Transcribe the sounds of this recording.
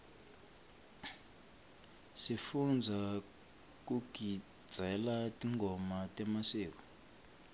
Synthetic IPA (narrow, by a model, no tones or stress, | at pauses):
sifund͡zʱa | k̬ʼuɡ̥ʱi̥ | d͡z̥ʱɛlatʼiŋɡʱɔmatʼɛmaseːk̬ɔ̥